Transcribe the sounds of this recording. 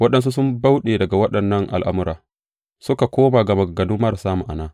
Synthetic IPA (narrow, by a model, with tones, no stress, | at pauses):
wɐ˦ɗɐ˦ns̬u˦s̬ʊ˦mba˦wɗeː˨dɐ˨ɡa˨wɐ˦ɗɐ˨nːɐ˦ŋʔa̰˨lʔa̰˦mʊ˦ɾaː˨ | sʊ˦ka˨kʷoː˦maː˨ɡɐ˨mɐ˨ɡɐ˨nʊ˦mmɐ˦ɾsaː˦mʊ˨ʔa̰˨naː˦